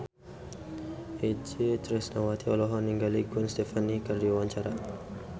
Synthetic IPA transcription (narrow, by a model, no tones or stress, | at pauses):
ʔed͡ʒet̪ɾɛsnawat̪iɔlɔɦɔnːiŋɡaliɡwɛnst̪efanikardiwaɲt͡ʃaɾa